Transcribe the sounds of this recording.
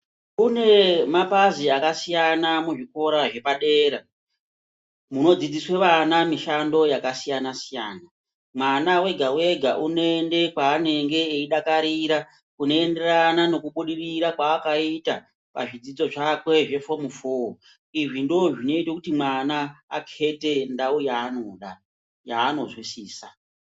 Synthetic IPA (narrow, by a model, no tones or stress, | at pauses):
une̞mapaziakasijanamuʐiko̞ɾaʐe̞paɗe̞ːɾa | muno̞d͡zid͡ziswe̞ʋanamiʃando̞jakasijanasijaːna | mwanawe̞ɡʱawe̞ɡʱa̰ʔunoende̞kwaːne̞ŋɡe̞ːiɗakaɾiɾa | kuno̞ende̞ranano̞kuɓuɗiriɾakwaːkaita | pa̰ʐid͡zid͡zo̞ʐakwe̞ʐe̞fo̞mufoːo | iʐindo̞ʐino̞itakutimwana̰ːkʰe̞te̞ndaujaːno̞ɗa | jaːno̞zwisiːsa